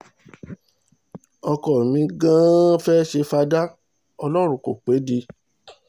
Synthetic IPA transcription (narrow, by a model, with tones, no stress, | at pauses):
ɔ˧kɔ˨mĩ˧˦ɡã˦fɛː˦ʃe˧fa˧da˦ | ɔ˧lɔ˦ɾ̃ũ˧˦ko˨k͡pe˨˦di˧